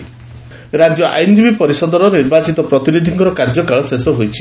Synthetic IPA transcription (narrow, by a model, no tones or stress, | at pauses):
ɾad͡ʒjɔʔa̰jnd͡ʒibipɔɾisɔd̪ɔɾɔniɾbat͡ʃit̪ɔpɾɔt̪inid̪ʱiŋkɔɾɔkaɾd͡ʒɔkaɭɔsesɔɦojt͡ʃʰi̥